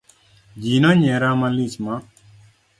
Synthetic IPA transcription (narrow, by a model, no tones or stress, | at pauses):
d͡ʒinɔɲɛɾamalit͡ʃma